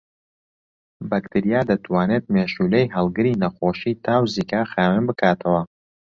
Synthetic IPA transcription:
bɐkt̪ʰɨɾijaːd̪ɐt̪ʰwaːnet̪̚meːʃuːlejɦɐlˠɡɨɾiːnɐxoːʃiːt̪ʰaːwziːkaːxaːwɨmbɨkʰaːt̪ʰɐwɐ

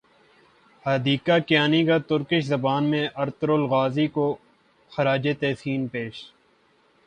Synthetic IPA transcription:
hɐd̪iːkakjaːnikat̪ʊɾkɪʃzɐbaːnmẽʔɐɾt̪ɾolɣaːziko | xɐɾaːd͡ʒet̪ɛːsiːnpeːʃ

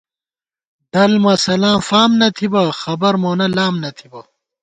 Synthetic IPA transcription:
d̪̥ɐlmɐsɐlaːmfaːmnɐt̪ʰibɐxɐbɐɾmoːnɐlaːmnɐt̪ʰibɐ

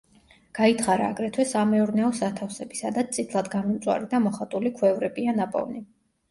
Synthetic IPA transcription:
ɡ̥ait̪ʰχaɾaːɡɾɛt̪ʰwɛsamɛɔɾnɛɔsat̪ʰafsɛbisad̪at̪t̪ʼit̪ʰlˠad̪ɡamɔmt̪sʼwa̰ɾid̪amɔχat̪ʼulikʰwɛvɾɛbianapʼɔ̰vni

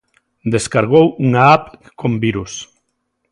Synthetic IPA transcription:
d̪eskaɾɣowuŋaap | kombiɾus

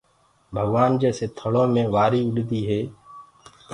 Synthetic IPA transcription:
bʱəɡʋaːnd͡ʒeːseːt̪ʰəɭõːmẽːʋaːɾiːʊɗd̪iːɦeː

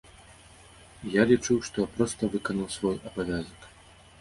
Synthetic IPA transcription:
jalʲit͡ʂuwʂt̪ɔjapɾɔst̪ɐvɨkɐnɐwsvɔjɐbavʲazɐk

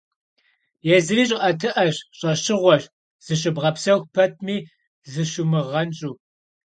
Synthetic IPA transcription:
jɛzɨɾiːɕʼɐtʰɨʔɐɕɕʼɐɕɪʁʷɔɕ | z̥ɨɕ̬ɨbʁɐpsɐwxpʰɐt̚ʰmiː | zɨʃumɨʁɐnt͡ʃʼuː

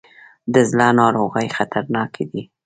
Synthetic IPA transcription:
d̪əzlɑnɑɾoɣəjxat̪ʰaɾnɑkʰed̪i

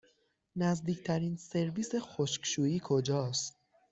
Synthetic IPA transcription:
næzd̪iːcʰt̪ʰæɾiːnse̞ɾviːse̞xoʃkʃuːiːkʰo̞d͡ʒɒːst̪

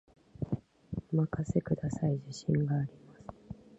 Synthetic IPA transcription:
ɯmakase̞kɯ̟d̪asaiʑiɕĩŋɡaːɾʲimasɨ̥

